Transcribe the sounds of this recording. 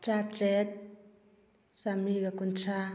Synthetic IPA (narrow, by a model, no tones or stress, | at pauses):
ʈ͡ʂat͡sɛt̪̚ | samikakunʈ͡ʂʰa